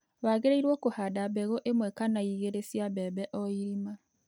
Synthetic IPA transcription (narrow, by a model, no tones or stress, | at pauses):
waɣeɾeiɾwɔkohadabɛɣɔʔemwɛkanaiɣeɾesiabɛbɛʔɔiɾima